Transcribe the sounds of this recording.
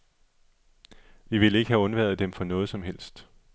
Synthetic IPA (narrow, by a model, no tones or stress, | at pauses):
ʋiʋe̝le̝ɡ̥əhæɔ̽nʋæð̩ˠd̥emfɒ̽nɔ̽ːð̞̩ˠsɒ̽mɦel̰sd̥